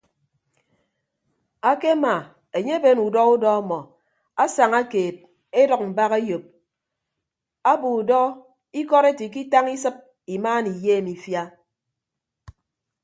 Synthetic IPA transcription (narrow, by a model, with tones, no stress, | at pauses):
a˦ke˦ma˨ | e˨ɲe˦be˦nu˨dɔ˦u˦dɔ˦a˦mɔ˨ | a˦sa˨ŋa˦keː˨t̚ | e˦dɔ˨k̚m̩˨ba˦ɣe˦jo˨p̚ | a˦bu˨u˨dɔ˦ | i˦kɔ˦ɾe˦ti˨k̬i˦ta˦ŋi˦sɨ˦p̚ | i˨maː˦ni˨jeː˦˨mi˨fja˦